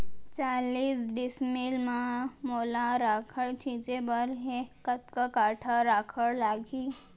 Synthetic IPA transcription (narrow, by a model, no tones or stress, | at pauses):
t͡ɕaliːsɖismilmamolãɾakʰəɭt̪ʰid͡ʒebəɾɦekət̪kəkaʈʰaɾakʰəɭlaɡiː